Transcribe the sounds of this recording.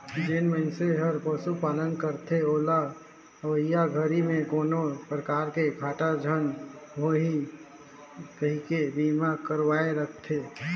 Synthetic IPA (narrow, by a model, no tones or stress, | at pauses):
d͡ʒenməɪnseɦəɾpəsupaːlənkəɾt̪ʰeola | əʋəijaɡʱəɾimẽkonopɾəkaɾkeɡʱaʈad͡ʒʱənɦoɦi | kəɦikebimakəɾʋaeɾəkʰt̪ʰe